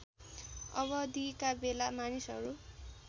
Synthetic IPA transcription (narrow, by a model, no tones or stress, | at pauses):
ʌ̰βʌd̪ikabelamanisʌɾu